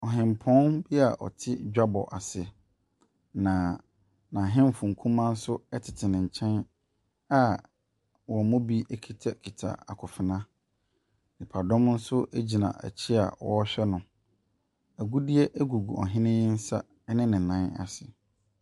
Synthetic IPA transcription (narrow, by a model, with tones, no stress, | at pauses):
ɔ˨ɦɪ̃˨mpʰɔ̃˦nbi˦a˨ʔɔ̰˨tʰɪ˦d͡ʑᶣa˦bɔ̰˨ʔa˨sɪ˨ | nã˨ | nã˨ɦɪ̃˦m˦fʊ̃˨ŋ̩˨kʰũ˦mã˦n̩˦sʊ˦ɛ˦tʰɪ˨tʰɪ˨nɪ̃˨ɲ̩˨t͡ɕʰɛ̃˦n | a˦ | wɔ˨mʊ̃˦bi˦ʔæ˦kʰi˨tʰa˨kʰi˨tʰa̰˨a˨kʰʊ˨fɪ˨nã˦ | nɪ̃˨pʰa˨dɔ̃˦mn̩˦sʊ˦ʔæ˦d͡ʑi˨nã̰˨ʔæ̰˨t͡ɕʰɪ˦a̰˨wɔ̰˦ɕᶣɛ˦nʊ̃˨ | æ˨ɡu˦di˦e˦ʔæ˦ɡu˨ɡu˨ɔ̰˨ɦɪ̃˦nɪ̃˦jɪ˦n̩˦sa˦ | nɪ̃˦nɪ̃˨nã˨˦na̰˨sɪ˨